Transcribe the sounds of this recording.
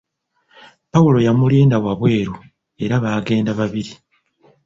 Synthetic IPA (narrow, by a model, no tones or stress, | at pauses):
pawulo̞jamuliːndawaβwe̞ːɾu | e̞ɾaβaːɡe̞ːndaβaβiɾi